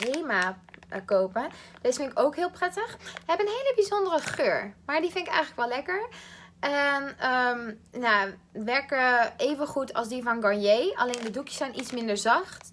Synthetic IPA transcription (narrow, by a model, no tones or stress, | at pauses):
reːmakowpəd̥ɪtfɪnɪkowkɦɪːlˠprɛtəχɛbənɦeːləbizondərəχøːɹmaɹdifɪnɪkɛ̰jxχələkʋɛlɛkəɹʔɛnəmja | ʋɛɹkəeːvənχutʰɑ̰lˠsdivɔnɡɔɹjejaleːndədukjə̥sɛjnʔitsmɪndəɹzɑxt